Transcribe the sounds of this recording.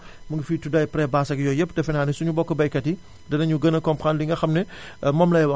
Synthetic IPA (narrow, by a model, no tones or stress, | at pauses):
mɐŋɡɐfiːtudɐjpɾɛbaːsɐɡjɔjɛpːdɛfɛnaːnisuɲubɔkːɐbɐjkɐti | dɐnɐɲuɡənɐkɔmpandiŋɡɐxɐmnɛ | mɔmlɐjwɐ